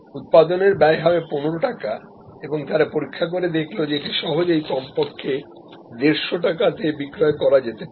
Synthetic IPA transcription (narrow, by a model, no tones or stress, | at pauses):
ut̪̚pad̪oneɾbɛeɦaeponoɾoʈaka | eboŋt̪aɾapoɾikʰːak̬oɾed̪ekʰlod͡ʑeʈiʃɔɦod͡ʑejkɔmpokʰːe | d̪eɾʃoʈakat̪ebikɾɔekɔɾad͡ʑet̪e